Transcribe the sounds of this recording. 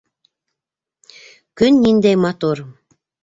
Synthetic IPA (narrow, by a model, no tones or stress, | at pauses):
kynːʲind̪ejmɑt̪or